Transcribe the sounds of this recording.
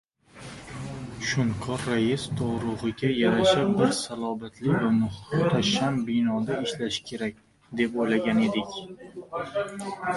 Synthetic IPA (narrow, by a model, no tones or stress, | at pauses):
ʃʊŋqʰɒɾːajɪst̪ʰɒʁɾʊʁɨɡʲajaɾaʃapbɪɾsalˠɒbat̪ʰlɪvanʊχt̪ʰaʃambɪnɒd̪aɪʃlaʃɪ̥kʲʰe̞ɾak̚ʲ | d̪e̞pojlaɡʲane̞d̪ɪkʲ